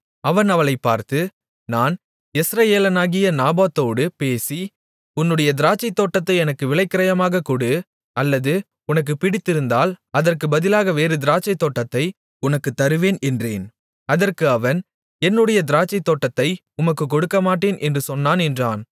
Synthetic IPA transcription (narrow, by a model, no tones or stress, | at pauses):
ɐʋɐnɐʋɐlɐɪpːaːɾt̪ɯ | naːn | ɪsɾɐjeːlɐnaːɣɪjɐnaːbaːt̪ːoːɽɯpeːsi | ʊnːɯɽɐjɐd̪ɪɾaːt͡ʃːɐɪt̪ːoːʈːɐt̪ːɐɪɛnɐkːɯʋɪɭɐɪkːɐɾɐjɐmaːɣɐkuɽɯ | ɐlːɐðɯ | ʊnɐk̬ːɯpɪɽɪt̪ːɪɾɯnd̪aːlɐðɐrkɯbɐðɪlaːɣɐʋeːɾɯd̪ɪɾaːt͡ʃɐɪt̪ːoːʈːɐt̪ːɐɪ | ʊnɐkːɯt̪ːɐɾɯʋeːnɛndrḛːn | ɐðɐrkɯɐʋɐn | ɛnːɯɽɐjɐd̪ɪɾaːt͡ʃːɐɪt̪ːoːʈːɐt̪ːɐɪ | ʊmɐkːɯkɔɽɯkːɐmaːʈːeːnʔɛndrɯsɔnːaːnɛndraːn